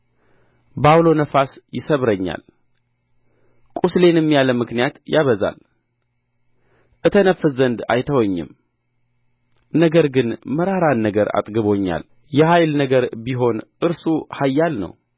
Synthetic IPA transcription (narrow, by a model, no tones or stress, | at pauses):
bawlo̞nəfasjɪsəβɾəɲːa̰l | kʼusle̞nɛmːijaləmɨknijat̪jaβəza̰l | ʔɨt̪ʰənəfɨzːənd̪a̰jt̪ʰəwɔɲːɨ̰m | nəɡəɾɡɨnməɾaɾanːəɡəɾa̰t̪ʼɡɨβo̞ɲːa̰l | jɛhajlnəɡəɾbiɦo̞nʔɨɾsuhajːalnə̰w